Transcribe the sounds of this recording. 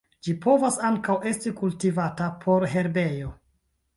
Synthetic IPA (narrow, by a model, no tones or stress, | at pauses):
d͡ʒipo̞vasaŋkawʔe̞stikultivatapʰo̞ɾɦe̞ɾbe̞jo̞